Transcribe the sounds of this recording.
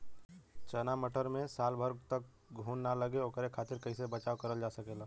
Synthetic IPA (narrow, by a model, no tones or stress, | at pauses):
t͡ʃənaməʈəɾmẽsaːlbʱəɾɡt̪ək̚ | ɡʱuːnːaləɡeoːkəɾekʰaːt̪ɪɾkəisebət͡ʃaːʋkəɾəld͡ʒaːsəkeːlaː